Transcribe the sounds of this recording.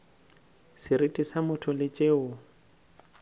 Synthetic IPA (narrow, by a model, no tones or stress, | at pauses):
sɪɾitʼisamʊtʰʊlɪt͡ʃʼeːʊ